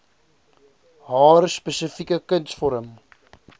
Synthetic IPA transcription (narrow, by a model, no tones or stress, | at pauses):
ɦɑːrspɛsəfikəkəntsfɔɾəm